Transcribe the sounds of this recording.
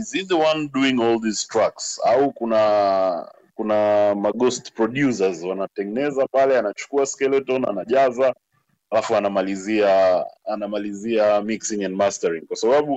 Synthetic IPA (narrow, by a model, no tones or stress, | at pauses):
iziðəwãnduĩŋɔlˠðistɾaksaukuna | kunamaɡɔstpɹɔɗjusazwanatɛŋɡɛnɛzapalɛanat͡ʃu̥kuaskɛlɛtɔna̰naʄaza | alafuanamaliziaːnamaliziamiksiŋɛ̃ndmastaɹiŋkwasaɓaɓu